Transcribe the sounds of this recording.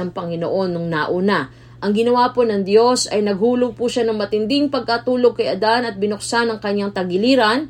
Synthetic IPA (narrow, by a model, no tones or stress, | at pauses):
ɐŋpɐŋɪno̰ʔo̞nːʊŋnaʔuːna | ʔɐŋɡɪnɐwaːpo̞nɐŋd̪jo̞sɐjnɐɡhuːloɡ̚puʃanɐŋmɐt̪ɪnd̪ɪŋpɐɡ̚kɐt̪uːlo̞ɡ̚kɐjʔɐd̪anɐt̪̚bɪnoksanɐŋkɐɲːaŋt̪ɐɡɪliːɾɐn